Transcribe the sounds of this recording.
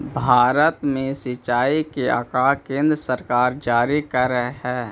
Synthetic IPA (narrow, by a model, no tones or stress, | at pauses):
bʱaːɾət̪mẽsɪt͡ʃaːikea̰ːkaːkẽːnd̪ɾəsəɾkaːɾd͡ʒaːɾikəɾəɦɦɛː